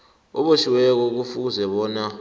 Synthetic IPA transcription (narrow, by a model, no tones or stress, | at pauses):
ɔɓoʃiwɛk̬ɔk̬ufuk̬uzɛɓɔːna